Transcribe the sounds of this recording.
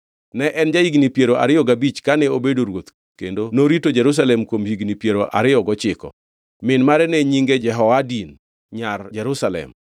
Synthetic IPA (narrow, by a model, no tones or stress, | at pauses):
nɛʔɛnd͡ʒaiɡnipjeɾoʔa̰ɾɪjɔɡabit͡ʃkanɛobedoɾwot̪ | kḛndonoɾitod͡ʒɛɾus̬alɛmkwomhiɡnipjeɾoʔa̰ɾɪjɔɡɔt͡ʃɪkɔ̰ | mɪnmaɾɛnɛɲiŋɡed͡ʒɛɦɔwadin | ɲard͡ʒɛɾʊsalɛ̰m